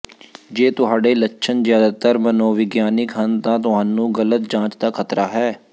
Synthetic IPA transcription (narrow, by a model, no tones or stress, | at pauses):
d͡ʒeːt̪ʊɦaːɖeːləːʃʰənzjaːd̪aːt̪əɾmənõːʋɪɡjaːnɪkɦənt̪ãːt̪ʊɦaːnũːɡələt̪̚d͡ʒãːt͡ʃd̪aːkʰət̪ɾaːɦɛː